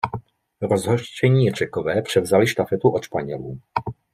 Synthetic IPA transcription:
ɾozɦoʃt͡ʃɛɲiːr̝̥ɛkovɛːpr̝̥ɛvzalɪʃt̪afɛt̪uʔot̪ʃpaɲɛ̰luː

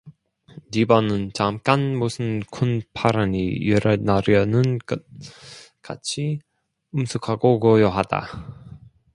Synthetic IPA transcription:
nibʌnɯnt͡ɕamk͈anmusʰɯnkʰunpʰaɾanijeɾanaɾjʌnɯnk | ka̰t͡ɕʰi | ɯmsʰɯkʰaɡokojʌɦad̥a̰

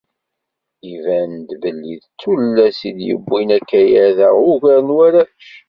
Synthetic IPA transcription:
ivænd̪bəlːḭðt͡sːullːæsid̪jə̰bːinækːæjæðæʊʝæɾnwæɾæʃ

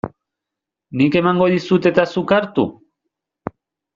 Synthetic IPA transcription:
nike̞maŋɡo̞ðisut̪e̞t̪asukaɾt̪ṵ

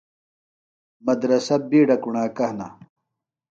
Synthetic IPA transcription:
mɐd̪ɾɐsɐbiːɖɐkuɳaːkɐhna

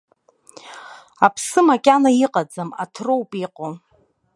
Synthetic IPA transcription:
apʰsɨmakʲʼanaiqʼad͡zama̰tʰrowpʼiqʼo

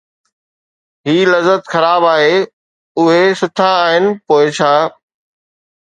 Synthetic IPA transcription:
ɦiːlɐzət̪xɐɾaːbaːɦeː | ʊɦesʊʈʰãaːɦɪnɪ̆poːɪt͡ɕʰaː

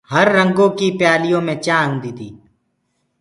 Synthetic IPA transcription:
həɾːə̃ŋɡõːkipjaːlijõːmẽt͡ʃãːũd̪iːt̪ḭː

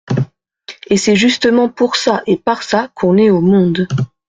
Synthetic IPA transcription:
esɛʒyst̪əmɑ̃puʁsaʔepaʁsakʰɔ̃nɛomɔ̃d̪

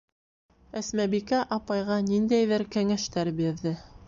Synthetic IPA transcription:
æsmæβikæʔɑpɑjʁɑnind̪æjðɘɾkæŋæʃt̪æɾbiɾðɘ

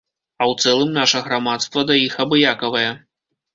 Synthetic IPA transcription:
ɐwt̪sɛlˠɨmnaʂɐɣɾamat̪st̪vɐd̪ɐjixɐbɨjakɐvɐjɛ

